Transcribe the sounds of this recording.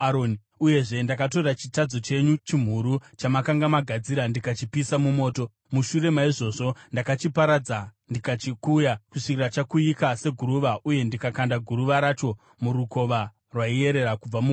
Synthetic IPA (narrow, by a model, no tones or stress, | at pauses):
aɾoni | uje̞ʐe̞ndakato̞rat͡ʃitad͡zo̞t͡ʃe̞ɲut͡ʃim̤uɾut͡ʃamakaŋɡamaɡʱad͡ziɾandikat͡ʃipisamumo̞ːto̞ | muʃuɾe̞maiʐo̞ːʐo̞ndakat͡ʃipaɾad͡zandikat͡ʃikujakuʂikirat͡ʃakuikase̞ɡʱuɾuʋaʔuje̞ndikakandaɡʱuɾuʋaɾat͡ʃo̞ | muɾuko̞ʋa | rwaije̞ɾe̞ɾakub͡vamu